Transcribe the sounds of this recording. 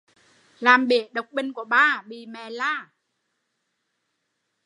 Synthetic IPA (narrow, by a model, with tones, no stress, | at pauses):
laː˨˩mɓie˧˩˦ɗə˨˩wk͡p̚ɓï˧˩ŋ̟ku˧˩əɓaː˧˩ɓi˧˨˩mɛ˨˩˦laː˧˩